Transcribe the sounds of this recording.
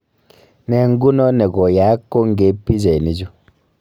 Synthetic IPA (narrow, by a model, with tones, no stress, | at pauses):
nɛ˨ŋ˦ɡu˦nɔ˦nɛ˨ɡɔ˨ja˨˦kːo˦ŋ˦ɡe˨˦pi˦d͡ʒe˨ni˨d͡ʒu˦